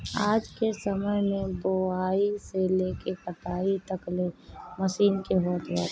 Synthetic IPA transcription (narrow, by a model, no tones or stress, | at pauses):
aːd͡ʒkesəməjmẽboaːiseleːkekəʈaːit̪əkleməsiːnkeɦoːt̪ʋa